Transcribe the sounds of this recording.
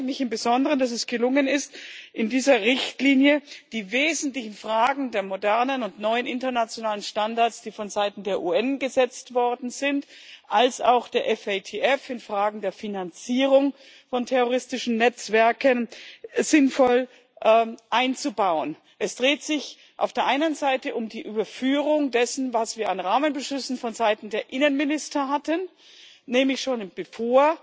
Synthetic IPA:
lɪçɪmbəzɔndəʁənd̥as̬ɛsɡ̥əlʊŋənɪstʔɪndiːzɐʁɪçtliːnjəd̥iːveːzn̩tlɪçn̩fʁ̥aːɡŋ̩deːɐmodɛɐnənʊntnɔʏənʔɪntɐnat͡sjonaːlənʃtandaɐtsd̥iːfɔnzaɪtn̩deːɐʔuːɛnɡəzɛt͡stv̥ɔɐdn̩zɪntʔalsa̰ʊxd̥eːɐʔɛfetʰeːɛfɪnfʁ̥aːɡŋ̩deːɐfinant͡siːʁʊŋ | fɔntʰɛʁoʁɪstɪʃn̩nɛt͡sv̥ɛɐkənzɪnfɔl | ʔɛːʔaɪnt͡subaʊən | ʔɛsd̥ʁeːtz̥ɪç | ʔa̰ʊfd̥eːɐʔaɪnənzaɪtəʔʊmdiːʔyːbɐfyːʁʊŋdɛsn̩vasv̥iːɐanʁaːmənbəʃʏsn̩fɔnzaɪtn̩deːɐʔɪnənmɪnɪstɐɦatən | nɛːmlɪçʃoːnb̥əfoːɐ

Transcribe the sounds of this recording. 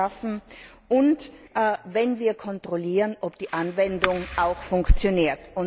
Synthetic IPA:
afn̩ | ʔʊntː | vɛnviːɐkʰɔntʁ̥oliːʁənʔɔpd̥iːʔanvɛndʊŋʔaʊxfʊŋkt͡sjoniːɐtʊn

